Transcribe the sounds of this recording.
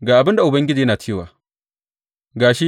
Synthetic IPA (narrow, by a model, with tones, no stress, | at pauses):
ɡaː˨ʔa˨bɪ˦nda˨ʔʊ˨bɐ˦ŋɡʲɪ˦d͡ʒiː˨jnaː˨t͡ʃʰeː˦waː˨ | ɡaː˨ʃi˦